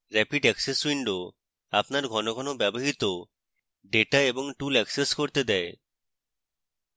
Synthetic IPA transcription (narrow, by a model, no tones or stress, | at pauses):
ɾɛpiɖɛkseswiɳɖo | apnaɾɡʱɔnoɡʱɔnobɛboɦit̪o | ɖeʈaeboŋʈulɛkseskoɾt̪ed̪ɛe